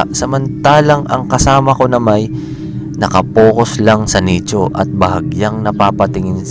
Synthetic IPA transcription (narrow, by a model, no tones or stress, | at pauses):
sɐmɐnt̪aːlɐŋʔɐ̰ŋkɐsaːmɐko̞nɐmɐj | nɐkɐpoːkoslɐŋsɐniːt͡ʃoʔɐ̰t̪̚bɐɦɐɡjaŋnɐpaːpɐt̪ɪŋɪn